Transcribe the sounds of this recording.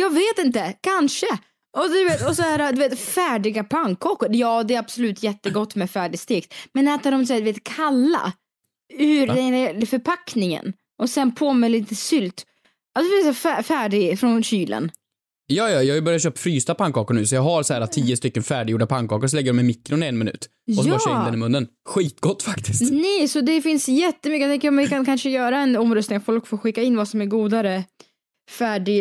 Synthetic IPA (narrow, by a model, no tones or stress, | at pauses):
jɑːɡveːt̪ɪnt̪əkʰanʂə | ʔɔd̪ɵveːt̪ɔsɔhæːɾad̪ɵveːt̪fæːɖɪɡapʰaŋkʰːɑːkʊɾjɑːd̪ɛːab̥sɔlʉ̟ːt̪ʰjɛt̪ːəɡɔt̪ːmɛfæːɖɪst̪eːkt̪mɛnɛːt̪ad̪ɔms̬ɛːd̪ɵveːt̪kʰalːa̰ | ʉɾd̪ɛɛlfœɾpʰaknɪŋə̰n | ʔɔsɛnpʰoːmɛliːt̪əsʏlt̪ | ad̪veːt̪sɛfæfæːɖɪɡfɾɔnɕyːlʔə̰n | jɑːjɑjɑːɡbœɾjat̪ɕøːp̪̚fɾyːst̪apʰaŋkɑːkəɳʉ̟ːsɔjɑːɡɦaɾsɔhæːɾat̪ʰiːəst̪ʏkːənfæːɖɪjuːɖapʰaŋkʰɑ̰ːkəɾsɔlɛɡːəɖɔmɛjmɪkːɾʊnɪɛnmɪnʉ̰ːt̪ | jɔsɔɕɪnd̪ɛnɪmɵnːənɧiːt̪ɡɔt̪ːfakt̪ɪsnɛjsɔd̪ɛfɪnsjɛt̪ːəmʏkːjat̪ɛŋkəɾɔmvɪkʰankʰanʂəjœːɾaɛnɔmɾœst̪nɪŋat̪fɔlkfoːɾɧɪkːaɪnːvasɔmæɾɡuːd̪aɾə | fæːɖɪ